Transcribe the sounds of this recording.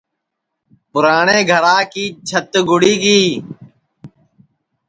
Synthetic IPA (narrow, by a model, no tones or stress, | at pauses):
pʊɾaːɳeːɡʱəɾaːkiːt͡ʃʰət̪ɡʊɽiːɡiː